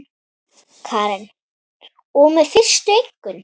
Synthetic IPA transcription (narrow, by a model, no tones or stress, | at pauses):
kʰaːɾɛn | ɔɣmɛðfɪr̥st̪ʏejŋ̥kːʏn